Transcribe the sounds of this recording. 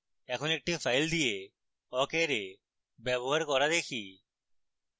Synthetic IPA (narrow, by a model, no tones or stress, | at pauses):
ɛːkʰõːnek̚ʈĩːfʰaːɪld̪ieː | ɔːkeːɾeː | beːboːəɾkɔːɾaːd̪eːkʰiː